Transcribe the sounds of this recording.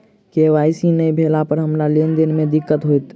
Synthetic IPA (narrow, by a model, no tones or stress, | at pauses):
keʋaːɪsinɐĩbʱeːlapəɾɦɐmɾaleːnd̪ɪnmẽd̪ɪkːət̪ɦoit̪